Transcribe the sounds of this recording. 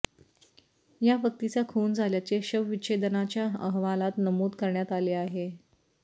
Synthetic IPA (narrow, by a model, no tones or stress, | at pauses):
jafək̚t̪it͡ɕjakʰuːnd͡zʱaljat͡ɕeɕəʋʋiɕed̪ənat͡ɕjaə̰ɦʋalat̪nəmuːd̪kəɾɳjat̪aleaɦe